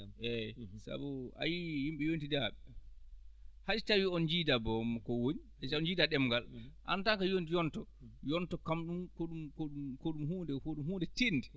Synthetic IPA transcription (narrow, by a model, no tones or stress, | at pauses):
ʔɛsa̰bua̰jihimɓɛjontidaɓɛ | had͡ʒtawiɔnd͡ʒiːdabɔmakɔwoɲihad͡ʒtaɔnd͡ʒiːdaɗɛmɡalʔa̰ntaŋkajontijɔntɔjɔntɔkamɗumkoɗumkoɗumkoɗumɦuːndɛkoɗumɦuːndɛtinːdɛ